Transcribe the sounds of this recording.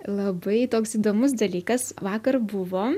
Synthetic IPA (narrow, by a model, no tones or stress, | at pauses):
lˠɐbɐɪt̪oːksiːd̪oːmʊs̬d̪ɐlʲiːkɐsʋɑːkɐɾbʊʋoː